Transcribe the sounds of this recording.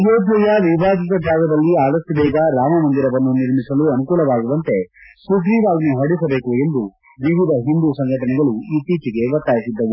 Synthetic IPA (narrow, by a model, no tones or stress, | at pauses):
joːpːɐjɐʋibʱaːɡit̪ɐbʱaːɡɐd̪ɐlːiaːɽɐsibɛːɡɐɾaːmɐmɐnd̪iɾɐʋɐnːuniɾmisɐluɐnukuːlɐʋaːɡuʋɐnt̪e̞sukɾiːʋaːɡɐnuɦɐɽisɐbe̞ːkue̞nd̪u | ʋiʋid̪ɐɦind̪usɐŋɡʱɐʈɐnɛɡɐɭuiːt̪iːt͡ʃiɡe̞ʋɐɾt̪aːjisid̪ːɐʋu